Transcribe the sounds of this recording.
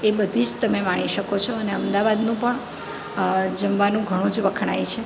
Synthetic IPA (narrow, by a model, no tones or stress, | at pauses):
ebəd̪ʱid͡ʒt̪əmemaɽ̃iʃəkot͡ʃʰoəneəmd̪aʋad̪nũpəɳ | d͡ʒəmʋanũɡʱəɽ̃ũd͡ʒʋəkʰɳ̃ajt͡ʃʰe